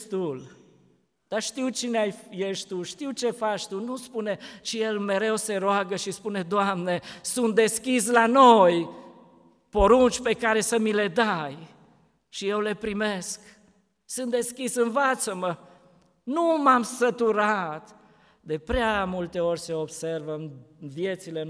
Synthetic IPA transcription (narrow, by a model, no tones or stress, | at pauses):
st̪ul | d̪̥aʃt̪iwt͡ʃineajjeʃt̪uʃt̪iwt͡ʃe̞fat͡ʃt̪unuspune̞t͡ʃije̞lme̞ɾe̞wse̞ɾoaɡəʃispune̞d̪oamne̞sunt̪̚d̪e̞skʲis̬lano̞j | po̞ɾunt͡ʃpe̞kaɾe̞səmile̞d̪aj | ʃije̞wle̞pɾime̞sk | sunt̪̚d̪e̞skʲisɨnvat̪səmə | numamsət̪uɾat̪ | d̪e̞pɾeamult̪e̞o̞rʲseo̞bservəɨmvje̞t̪sile